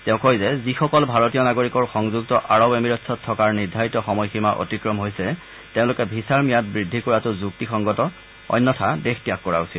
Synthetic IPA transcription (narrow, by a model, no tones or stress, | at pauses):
tɛʊ̃kojzɛzixɔkɔlbʱaɹotijɔnaɡoɹikɔɹxɔŋzuɡ̚tɔʔaɹɔbemiɹɔtsʰɔtʰːɔkaɹniɹdʱaɹitɔxɔmɔjximaʔo̰tikɹɔmɦojsɛ | teʊ̃lʊkɛbʱisaɹmijat̚bɹidʱːikɔɹatʊzuktixɔŋɡɔtɔ | ɔ̰jnːɔtʰadextijakːɔɹa̰usil